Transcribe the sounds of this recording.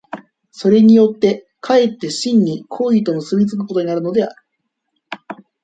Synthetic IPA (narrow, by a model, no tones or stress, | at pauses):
so̞ɾe̞ɲ̟ijo̞t̪ːe̞ | kʰae̞t̪ːe̞ɕĩɲ̟ːikʰo̞ːit̪o̞mɯ̟sɨbʲit͡sɨk̬ɯ̟ko̞t̪o̞ɲ̟inaɾɯ̟no̞d̪e̞aɾɯ̟